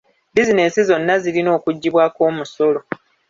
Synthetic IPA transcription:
dizineːnsizo̞nːazilino̞ːkuɟːiβwaːko̞ːmuso̞lo̞

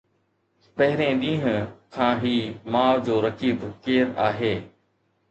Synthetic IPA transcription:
pɐɦɪɾẽɗ̪ĩːɦʊ̃kʰãːɦiːmaːʋd͡ʑoːɾɐkiːbkeːɾaːɦeː

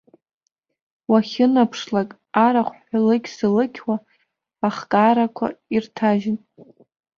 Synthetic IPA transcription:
waχʲɪnapʰʂlakʼ | aɾaχʷħalɨkʲsɨlɨkʲʰwaː | χkʼaɾakʷʰa̰irtʰaʒɪn

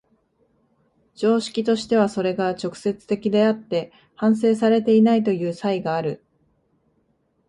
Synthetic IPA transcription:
d͡ʑo̞ːɕi̥kʲit̪o̞ɕi̥t̪e̞β̞aso̞ɾe̞ɡat͡ɕo̞kɯ̟̥se̞t͡sɨ̥t̪e̞kʲid̪e̞at̪ːe̞ | hãɰ̃se̞ːs̬aɾe̞t̪e̞inait̪o̞jɯ̟ːsaiɡaːɾɯ̟

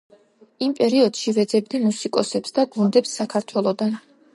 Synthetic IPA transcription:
impʼɛɾiɔd̪̥ʃivɛd̪zɛb̚d̪imusikʼɔsɛpsd̪aɡund̪ɛpsːakʰaɾt̪ʰwɛlˠɔd̪an

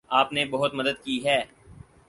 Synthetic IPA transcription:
aːpnebɐɦʊt̪mɐd̪əd̪̚kiːɦɛː

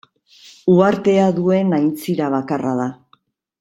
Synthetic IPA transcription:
uaɾt̪e̞aðue̞najnt͡siɾaβ̞akaraða

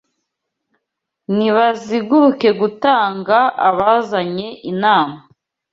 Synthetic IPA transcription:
niβaziɡuɾuke̞ɡutaːŋɡaaβazaɲe̞ʔinaːma

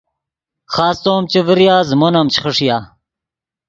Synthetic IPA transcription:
χaːst̪oːmt͡ɕeviɾijaːzmonɐmt͡ɕχəʂjaː

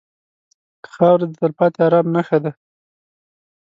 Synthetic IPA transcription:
kə̥xɑwɾd̪ət̪əɾpɑt̪eaɾɑmnaxad̪a

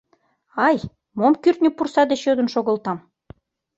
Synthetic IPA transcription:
ɑj | momkyrt̪nʲypursɑd̪eʃød̪ə̆nʃoɣə̆lt̪ɑm

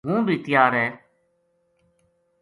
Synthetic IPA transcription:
ɦũːbʱiːt̪ɪjaːɾɛː

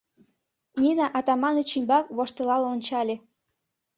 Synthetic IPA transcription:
nʲinɑʔɑt̪ɑmɑnet͡ɕymbɑk̚βoʃt̪ɤlɑloonʲt͡ɕɑlʲe

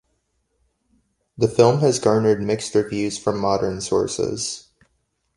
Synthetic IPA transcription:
ðɨfɪlˠmɨzɡɑɹnə˞d̚mɪkstə˞vjʉz̥fɹʌ̃mːɑɾə̃˞nsɔ̰ɹsɪ̰z̥

